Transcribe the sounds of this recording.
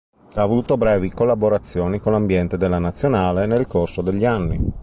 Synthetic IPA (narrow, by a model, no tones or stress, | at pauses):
avoluːt̪obɾɛːvikolːaboɾat̪sːjoːnikonlambjɛnt̪ed̪elːanat̪sːjonaːlenelkorsod̪eʎːianːi